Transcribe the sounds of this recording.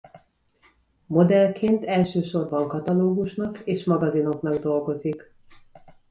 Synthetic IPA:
mo̞d̪ɛlkʰeːnt̪ɛlʃøːʃo̞rbɒŋkɒt̪ɒloːɡuʃnɒkeːʃmɒɡɒzino̞kn̪ɒɡd̪o̞lɡo̞zik

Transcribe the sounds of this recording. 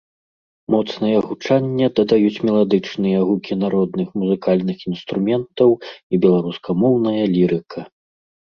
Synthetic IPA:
mɔt̪snɐjɐɣut͡ʂanʲːɐd̪ɐd̪ajut͡sʲmʲɛlˠad̪ɨt͡ʂnɨjɐɣukʲinaɾɔd̪nɨxmuzɨkalʲnɨxinst̪ɾumʲɛnt̪ɐwibʲɛlˠaɾuskʰɐmɔwnɐjɐlʲiɾɨkʰɐ

